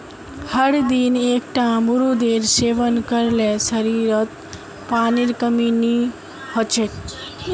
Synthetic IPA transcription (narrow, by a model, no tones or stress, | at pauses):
həɽd̪inekʈamuɾud̪eɾseʋənkəɾlesəɾiɾət̪̚ | paniɾkəmini | hət͡ʃʰeʈ